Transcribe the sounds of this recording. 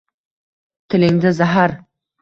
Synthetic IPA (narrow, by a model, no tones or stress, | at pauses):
t̪ʰɪ̆lɪŋd̪ɪzaɦaɾ